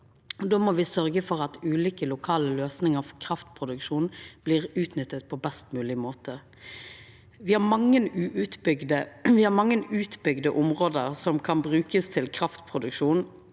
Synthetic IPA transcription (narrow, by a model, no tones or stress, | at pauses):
d̪oːmɔʋɪsœʁɡəfɔʁɑt̪ʉːliːkəlʊkʰɑːləløːsnɪŋəɾfɔkʰʁɑft̪pʰʁʊd̪ʉkʃuːnb̥liːʁʉːt̪nʏt̪ːət̪̚pʰɔbɛst̪mʉːlɪmoːt̪ʰə | ʋɪhɑmɑŋːənʉʔʉt̪bʏɡd̪əʋɪhɑːɾmɑŋːənʉːt̪bʏɡd̪əʔʊmʁoːd̪əʁsɔmkʰɑnbʁʉːkəst̪ʰɪlkʰʁɑft̪pʰʁʊd̪ʉkʃuːn